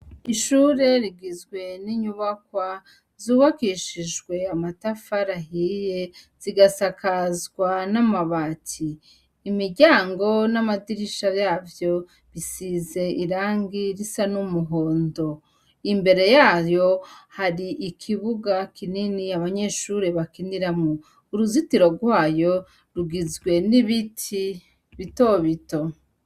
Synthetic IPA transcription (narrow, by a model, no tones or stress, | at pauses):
iʃuːɾe̞ɾiɡizɡwe̞niɲuβakwa | zuːβakiʃiʒɡwe̞amatafaɾaɦije̞z̥iɡasakʰazɡwanamaβatʰiː | miɾɟaːŋɡo̞namadiɾiʃajaːvjo̞ | βisize̞ʔiɾaːŋɡiɾisanumuɦo̞ːndo̞ | imbe̞ɾe̞jaːjo̞haɾiʔikʰiβuɡakininiaβaɲe̞ːʃuɾeβakindiɾamo | uɾuzitiɾo̞ɡwaːjo̞ | ɾuɡizɡwe̞niβitʰi | βito̞βito̞